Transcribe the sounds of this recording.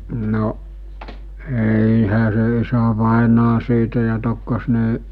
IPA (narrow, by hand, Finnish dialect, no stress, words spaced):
no eˑiˑhæ se isæʋɑˑenɑː siːtæ jɑ tokːos ne